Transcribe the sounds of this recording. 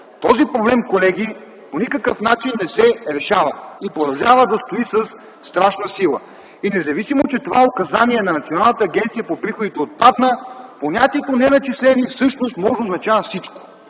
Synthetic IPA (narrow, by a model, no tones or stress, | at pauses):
t̪ɔzipɾoblɛmkolɛɡ̟i | ponikəkəfnat͡ʃinːɛsɛɾɛʃavəipɾod̪ɐwʒavəd̪ɐst̪oisəsː | t̪ɾaʃnəsilˠə̰ | inɛzɐvisimot͡ʃɛt̪ovaokɐzaniɛnɐnɐt̪sionalˠnət̪əːɡɛnt̪sijəpopɾixod̪it̪ɛot̪̚pad̪nəponʲat̪iɛt̪onɛnɐt͡ʃislɛnifsɤʃnost̪mɔʒɛoznɐt͡ʃavəfsit͡ʃko̥